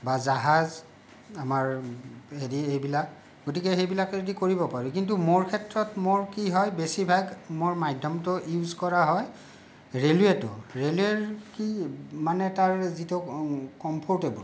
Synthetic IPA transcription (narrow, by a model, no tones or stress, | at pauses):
bazaɦaz | amaɹɦediejbilak | ɡotikɛxejbilakeedikoɹibɔpaɹuk̬intumoɹkʰɛtɹɔtmoɹkiɦɔjbesibʱaɡmoɹmajdʱɔmtʊjuzkɔɹaɦɔj | ɹeluetʊ̰ɹelueɹkimanɛtaɹzitukɔmpʰɔɹtebṵl